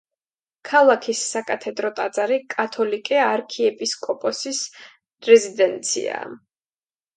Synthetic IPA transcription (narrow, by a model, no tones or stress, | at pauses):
kʰalˠakʰisːakʼat̪ʰɛd̪ɾɔt̪ʼad̪zʼaɾikʼat̪ʰɔlikʼɛaɾkʰiɛpʼiskʼɔpʼɔsis | ɾɛzid̪ɛnt̪sʰḭa̰